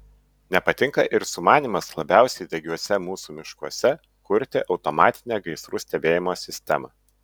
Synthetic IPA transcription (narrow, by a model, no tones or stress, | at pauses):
nʲɛpɐt̪ʲɪŋkɐʔɪɾsʊmɑːnʲiːmɐslˠɐbʲæˑʊsʲɛɪd̪ʲɛɡʲuɔsʲɛmuːsuːmʲɪʃkuɔsʲɛ | kʊɾʲt̪ʲɪʔɒʊt̪ɔmɑːt̪ʲɪnʲeːɡɐɪsɾuːsʲt̪ʲɛbʲeːjɪmoːsʲɪsʲt̪ʲɛ̰mɑ̰ː